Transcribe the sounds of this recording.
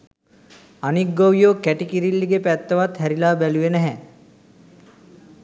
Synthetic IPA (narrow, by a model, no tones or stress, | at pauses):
anik̚ɡowjoːkæʈikiɾilːiɡepæt̪ːəʋat̪hæɾilaːbæluʋenəɦɛ